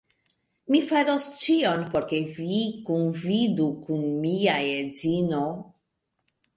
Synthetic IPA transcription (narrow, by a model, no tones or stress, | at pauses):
mifaɾost͡ʃionpoɾkevikunvidukunmiajezino